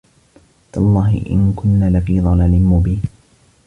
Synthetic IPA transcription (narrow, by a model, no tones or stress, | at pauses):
t̪ɑlˤːɑːɦɪ̰ʔɪ̰nkʊnːaːlafiːðˤɑlaːlɪmːubɪː